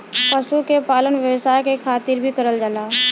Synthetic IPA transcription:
pəʃukepaːlənʋjəʋsaːjkekʰaːt̪iːɾbʱikəɾəld͡ʒalaː

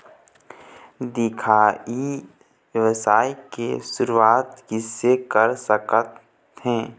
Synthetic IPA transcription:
d̪ɪkʰaːi | ʋɛʋəsaːikesʊɾuaːt̪kisekəɾsəkət̪ | ɦɛ̃ː

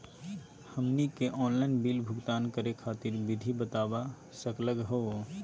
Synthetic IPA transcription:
həmnikeʔɔːnlaɪnbiːlbʱʊɡt̪aːnkəɾekʰaːt̪ɪɾbɪd̪ʱibət̪aːba | səkləɡɦoː

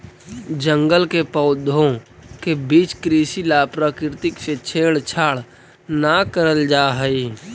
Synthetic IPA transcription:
d͡ʒə̃ŋɡəlkepəʊd̪ʱõkebiːt͡ʃkɾiːsilapɾaːkɪɾt̪ɪkset͡ʃʰeːɽt͡ʃʰaːɽ | nakəɾəld͡ʒaːɦəi

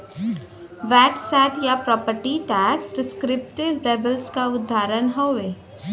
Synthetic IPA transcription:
ʋɛːʈsɛːʈjapɾɔːpəɾʈiʈɛːksʈɪskɾɪp̚ʈɪʋɾeːbəlskaʊd̪ʱːaːɾənɦɔʋeː

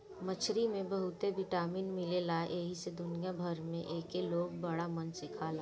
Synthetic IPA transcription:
mət͡ʃʰɾimẽbəɦʊt̪ebɪʈaːmiːnmɪlelaʔeːɦised̪ʊnijabʱəɾmẽʔeːkeloːɡ̚bɐɽamɐnsɪkʰaːlaː

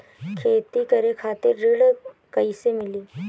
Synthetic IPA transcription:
kʰet̪iːkəɾekʰat̪eɾːiɽ | kəjsemiliː

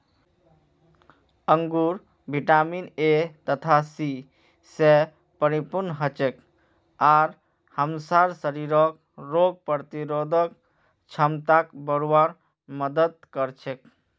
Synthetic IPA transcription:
əŋɡuɾ | bʱiʈaminet̪ət̪ʰasi | se | pəɾipuɾnɦət͡ʃek | aɾ | həmsaɾsəɾiɾɔk̚ | ɾoɡ̚pəɾt̪iɾod̪ʱək | t͡ʃʰəmt̪akbəɾwaɾ | məd̪əd̪̚kəɾt͡ʃʰek

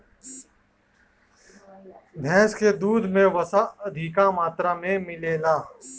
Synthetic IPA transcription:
d̪ʱɛ̃ːskeːd̪uːd̪ʱmẽːʋəsaːəd̪ʱiːkãːmaːt̪ɾaːmẽːmɪleːlaː

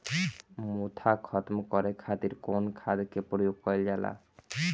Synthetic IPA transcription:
mut̪ʰakʰɔt̪mkɔɾekʰat̪iɾkonkʰad̪kepɾojoɡkɔjld͡ʒala̰

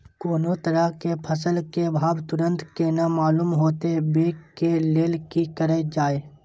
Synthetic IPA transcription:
koːnot̪əɾəkepʰəsəlkebʱaːbt̪ʊɾə̃nt̪kenamaːluːmɦoːt̪ebeːkkeleːlkikəɾed͡ʒaːeː

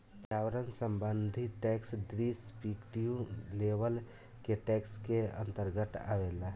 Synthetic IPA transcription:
pɾawəɾənsəmbənd̪ʱiʈɛksd̪ɾispikʈijũlebəl | keʈɛkskeə̰nt̪əɾɡət̪a̰wela

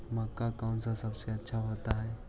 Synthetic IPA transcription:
mɐkːakaʊnsasɐbseɐtːʃʰaɦoːt̪aɦɛː

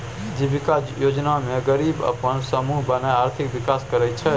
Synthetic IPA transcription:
d͡ʒibikajod͡ʒnamẽɡəɾibə̰pənsəmuɦbənajaɾt̪ʰikʋikaskəɾɛt͡ʃʰɛ

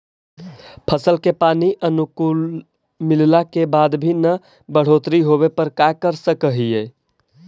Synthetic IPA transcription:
pʰəsəlkepaniʔənukul | millakebad̪bʱinə | bəɽ̤ot̪ɾiɦoβepəɾkakəɾsəkəɦije

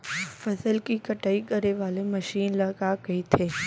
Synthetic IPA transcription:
fɐsəlkikɐʈaːikɐɾeʋaːlemɐʃiːnlɐkakɐit̪ʰeː

